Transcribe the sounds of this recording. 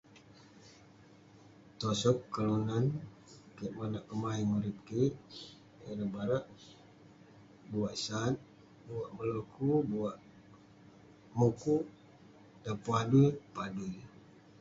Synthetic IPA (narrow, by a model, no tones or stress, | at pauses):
t̪ɔsɔp̚kəlunan | kiʔmanaʔkəmaiŋuɾip̚kiʔ | eɾəbaɾaʔ | buaʔsat̪̚ | buwaʔməlokubuwaʔ | muku | dapuaduipaduj